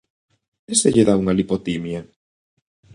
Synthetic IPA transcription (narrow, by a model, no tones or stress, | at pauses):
eseʎeðauŋalipot̪imja